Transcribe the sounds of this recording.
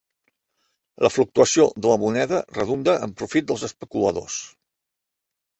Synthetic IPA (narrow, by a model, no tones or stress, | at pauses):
ləfluk̚t̪uəsioðələmunɛðərəðund̪əʔə̰mpɾufit̪̚d̪əlˠzəspəkuləðo̰s